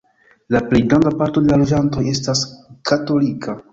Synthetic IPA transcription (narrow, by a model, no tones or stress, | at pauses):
laple̞jɡɾandapaɾto̞de̞lalo̞d͡ʒanto̞je̞staskato̞likʰa